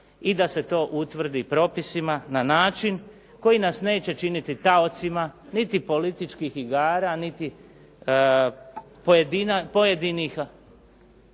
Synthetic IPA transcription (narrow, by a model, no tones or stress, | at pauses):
id̪ase̞t̪o̞ːʔut̪ʋr̩d̪ipɾo̞pisimananaːt͡ʃin | ko̞jinasne̞ːt͡ɕe̞t͡ʃinit̪it̪ao̞t̪simanit̪ipo̞lit̪it͡ʃkixiɡaːɾanit̪i | pojed̪inpojed̪inixa